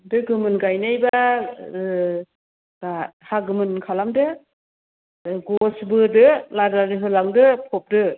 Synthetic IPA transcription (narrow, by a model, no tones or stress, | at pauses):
dɯɡɯmɯnɡajnajba | ahaɡɯmɯnkʰalamdɯ | ɡɔsbɯdɯladadɯɦɯlaŋdɯpʰɔp̚dɯ